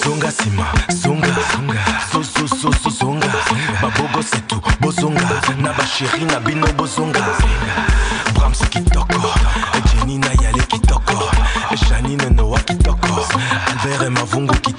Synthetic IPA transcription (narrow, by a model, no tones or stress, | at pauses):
zoŋɡasimazoŋɡaŋzozozozozoŋɡababoɡɔsetubozoŋɡanabaʃeʁinabinobozoŋɡabʁamsokitɔkɔd͡ʒeninajalekitɔkɔʒaninɛnɔwakitɔkɔbɛʁɛmavuŋɡuki